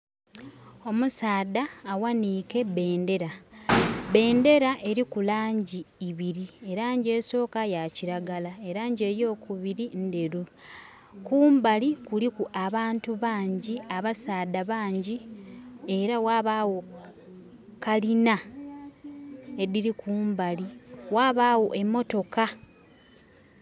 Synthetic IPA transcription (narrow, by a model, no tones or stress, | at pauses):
o̞musaːdaːwaniːke̞be̞ːnde̞ɾa | βe̞ːnde̞ɾaʔe̞ɾikulaːɲɟiːβiɾie̞ɾaːɲɟe̞ːso̞ːkajaciɾaɡalae̞ɾaːɲɟe̞ɾjo̞ːkuβiɾinde̞ɾu | kuːmbalikulikuʔaβaːntuβaːɲɟiaβasaːdaβaːɲɟi | e̞ɾawaːβawo̞ | kalina | e̞diɾikuːmbaliwaːβaːwo̞ʔe̞mːo̞to̞ka